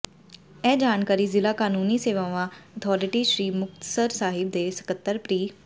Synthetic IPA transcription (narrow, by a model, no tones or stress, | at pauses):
ɛːd͡ʒaːnkaːɾiːzɪlaːkaːnuːniːseːʋaːʋãːət̪ʰɔːɾɪʈiːʃɾiːmʊkt̪ə̥səɾsaːɦɪbd̪eːsə̥kət̪ːəɾpɾiː